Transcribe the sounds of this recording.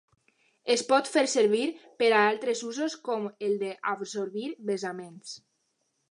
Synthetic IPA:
espɔt̪feɾseɾβiɾpeɾaalˠt̪ɾezuzoskɔmeld̪eʔabsoɾβiɾβezamens

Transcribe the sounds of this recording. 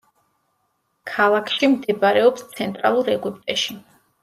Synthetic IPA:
kʰalˠakʰʃimd̪ɛbɾɛɔpst̪sʰɛnt̪ʼɾa̰lˠuɾɛɡipʼt̪ʼɛʃi

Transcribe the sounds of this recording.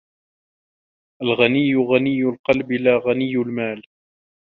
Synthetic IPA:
ʔalɣanɪjːʊɣanɪjːʊlqɑlblaːɣanɪjːʊlmaːl

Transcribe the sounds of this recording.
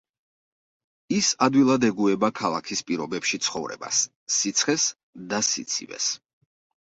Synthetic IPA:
isad̪wilˠad̪ɛɡuɛbakʰalˠakʰispʼiɾɔbɛpʃit̪sʰχɔvɾɛ̰ba̰sː | it̪sʰχɛs | d̪asḭt̪sʰḭvɛ̰s

